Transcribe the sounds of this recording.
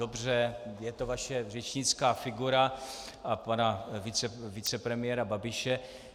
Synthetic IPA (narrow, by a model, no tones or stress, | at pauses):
obr̝ɛjɛt̪o̞vaʃɛrɛt͡ʃɲɪt͡skaːfɪɡuɾa | ʔapanavɪt͡sɛvɪt͡sɛpɾɛmɪjɛːɾababɪʃɛ